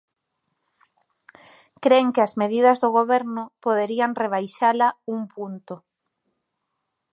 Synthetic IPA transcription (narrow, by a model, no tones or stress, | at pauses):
kɾeŋkɪɐzmeð̞iðɐzðʊɣ̞oβɛɾnʊpoðeɾiaŋreβ̞ajʃalauŋpunt̪ʊ